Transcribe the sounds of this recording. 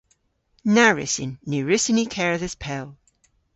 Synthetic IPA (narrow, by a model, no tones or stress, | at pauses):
naɹɪ̰sɪ̰nːʉɹɪsinikʰɛɹəðɪspʰɛlˠ